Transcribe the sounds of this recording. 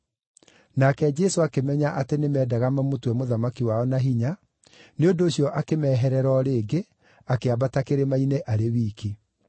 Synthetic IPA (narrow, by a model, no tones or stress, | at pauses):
nakɛd͡ʒɛsoakemɛɲaʔatenemɛːdaɣamamotwɛmoðamakiwaɔnaɦiɲa | neondoːɕjɔʔakemɛːɦɛɾɛɾɔɾeːɡe | akeabatakeɾemaineʔaɾewiːki